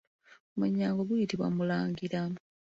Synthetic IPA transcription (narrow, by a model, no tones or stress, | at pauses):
muɲːaːŋɡoɡujitiβwa̰mulaːŋɡiɾa